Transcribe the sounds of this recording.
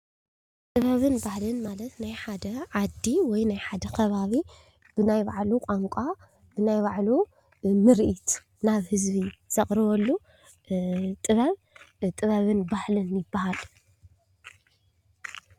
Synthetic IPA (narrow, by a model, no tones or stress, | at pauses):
t̪ʼɨβɐβɨnbahlɨnmalɐt̪najħad̪ɐʕad̪iwɔjnajħad̪ɐkʰɐβaβi | b̥ɨnajbaʕlukʼaŋkʷʼa | b̥ɨnajβaʕlu | nɨɾʔit̪ʰ | naβhɨzβiz̥ɐχʼɾɨβɔlːu | t̪ʼɨβɐβ | t̪ʼɨβɐβɨnbahlɨnjɪbːahal